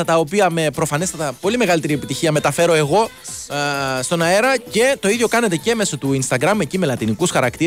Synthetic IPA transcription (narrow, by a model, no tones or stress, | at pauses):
ɐt̪ɐo̞piɐme̞pɾo̞fɐnest̪ɐt̪ɐpo̞lime̞ɣɐlit̪eɾie̞pit̪içiɐme̞t̪ɐfe̞ɾo̞e̞ɣo̞ | st̪o̞nɐe̞ɾɐce̞t̪o̞iðjo̞kɐnet̪e̞ce̞me̞sot̪uinst̪ɐɡɾɐme̞cime̞lɐt̪inikusxɐɾɐkt̪i